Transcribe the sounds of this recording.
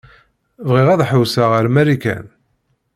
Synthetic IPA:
vʁiʁæðħəwsaʁəɾmæɾikæ̰n

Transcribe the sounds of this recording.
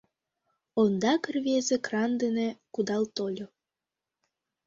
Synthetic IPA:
ond̪ɑkərβezekrɑnd̪enekud̪ɑlt̪olʲo

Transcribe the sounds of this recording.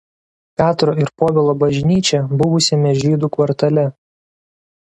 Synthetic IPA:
pʲæːt̪ɾoːɪɾpoːʋʲeːlˠoːbɐʒʲnʲiːt͡ʃʲɛbʊʋʊsʲɛmʲɛʒʲiːd̪uːkʋɐɾt̪ɐlʲɛ

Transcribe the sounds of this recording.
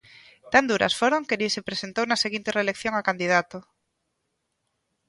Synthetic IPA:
t̪and̪uɾɐ̰sfoɾoŋkeɾisepɾesent̪ownaseɣint̪ereːlekθjoŋakand̪ið̞at̪o

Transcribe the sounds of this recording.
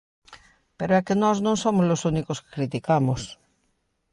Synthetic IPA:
peɾoɛkenɔznõŋsomozlosunikoske̥kɾit̪ikamos

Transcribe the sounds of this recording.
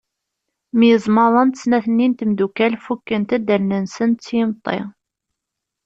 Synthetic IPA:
mjəzˤməɾˤɑnt̪ə̥snæθənːint̪md̪ukælfukːənt̪æd̪əɾnənsənt̪t͡sːjɪmt̪ˤːḛ

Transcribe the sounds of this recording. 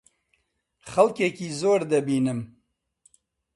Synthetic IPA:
xɐlkekiːzoːɾd̪ɐbiːnɨm

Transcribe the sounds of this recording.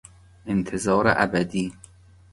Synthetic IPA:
ʔent̪ʰezɒːɾḛʔæ̰bæd̪iː

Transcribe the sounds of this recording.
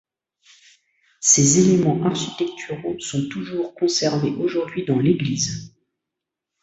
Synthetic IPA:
sezelemɑ̃ʔaʁʃi̥t̪ɛk̚t̪ʰyʁosɔ̃t̪uʒuʁkɔ̃sɛʁneʔoʒuʁd̪ɥid̪ɑ̃leɡliːz

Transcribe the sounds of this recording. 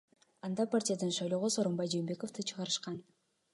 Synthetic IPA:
ɑnd̪ɑpartʲɪjad̪ɯnʃɑjlˠoʁoso̞ɾombɑjd͡ʒembe̞ko̞ft̪ɯt͡ʃʰɯʁɑɾɯʃqɑn

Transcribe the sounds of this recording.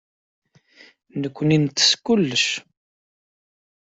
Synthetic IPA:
nəkʷːənint̪ːə̥skulːəʃ

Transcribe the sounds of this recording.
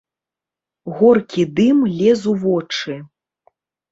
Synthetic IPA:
ɣɔrkʲid̪ɨmlʲɛzuvɔt͡ʂɨ

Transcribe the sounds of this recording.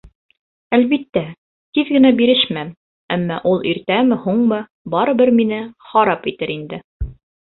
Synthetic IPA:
ælβit̪ːæ | t̪iðɡɘ̆næbiɾɘʃmæm | æmːɑʔulˠʔiɾt̪æmɘhuɴmɤ | bɑɾɤ̆bɘɾminɘχɑɾɑpit̪ɘɾind̪ɘ

